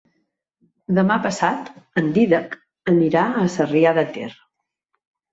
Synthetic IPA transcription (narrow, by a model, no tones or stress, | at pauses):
d̪əmapəsat̪ənd̪iðək | əniɾaəsəriaðət̪ḛrə